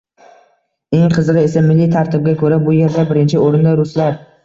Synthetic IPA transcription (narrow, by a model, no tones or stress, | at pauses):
e̞ŋqʰɨzɨʁɨe̞samɪlːɪt̪ʰaɾt̪ʰɪb̚ɡʲakʰɵɾabʊje̞ɾd̪abɪɾɪnt͡ʃʰɪoɾɪnd̪aɾʊslaɾ